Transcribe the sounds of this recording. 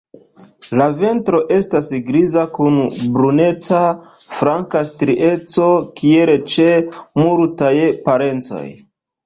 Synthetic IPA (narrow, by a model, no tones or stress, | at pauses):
lave̞ntɾo̞ʔe̞stasɡɾizakunbɾune̞t͡sa | fɾaŋkastɾiʔe̞t͡so̞kielet͡ʃemuɾtajpaɾe̞nt͡so̞̰j